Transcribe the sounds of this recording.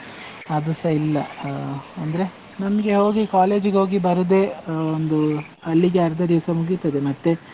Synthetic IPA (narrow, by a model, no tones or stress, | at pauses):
ɐd̪usɐilːɐ | ɐnd̪ɐɾe̞ | nɐmɐɡe̞ɦo̞ːɡikaːle̞ːd͡ʒɡo̞ːɡibɐɾud̪e̞ːond̪u | ɐlːiɡeɐɾd̪ɐd̪iʋɐsɐmuɡit̪ːɐd̪e̞mɐt̪ːe̞